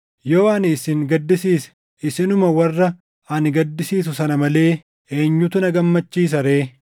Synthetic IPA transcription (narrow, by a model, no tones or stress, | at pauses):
joːɐniːsɪŋɡɐd̪ːɪsiːsɛ̥ | ɪsɪnʊmɐwɐrːɐ | ɐnɡɐd̪ːɪsiːs̬ʊsɐnɐmɐle̞ː | e̞ːɲːʊt̪ʊnɐɡɐmːɐt͡ʃːiːs̬ɐɾe̞ː